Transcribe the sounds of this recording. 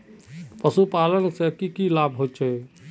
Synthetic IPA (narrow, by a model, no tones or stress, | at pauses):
pəsupalənsẽkikilabʱɦot͡ʃʰɛ